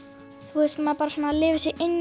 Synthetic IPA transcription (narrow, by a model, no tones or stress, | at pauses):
θuɛst̪maðpaːɾasoːnalɪːvɪsjɛʔejn